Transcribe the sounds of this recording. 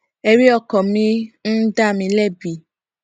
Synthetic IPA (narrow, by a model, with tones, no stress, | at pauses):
ɛ˧ɾi˦ɔ˧kɔ̃˨mĩ˧n̩˦da˦˨mĩ˧lɛ˦˨bi˨